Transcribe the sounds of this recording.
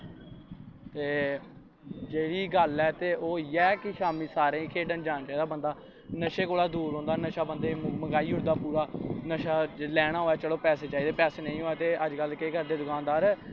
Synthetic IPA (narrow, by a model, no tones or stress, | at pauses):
t̪eː | d͡ʒeːɽiːɡəlɛːt̪eːʔoːjɛːkɪʃaːmĩːsaːɾẽːikʰeːɖənd͡ʒaːnːt͡ʃaːiːd̪aːbənd̪aː | nəʃeːkoːɽaːd̪uːɾɦõːnd̪aːnəʃaːbənd̪eːməɡaːiːʊɽd̪aːpuːɾaːnəʃaːlɛːɽ̃aːɦoːɛːt͡ʃəɽoːpɛːseːt͡ʃaːiːd̪eːpɛːseːnə̃ĩːɦoːɛːt̪eːəd͡ʒkəlkeːɡəɾd̪eːd̪ʊkaːnd̪aːɾ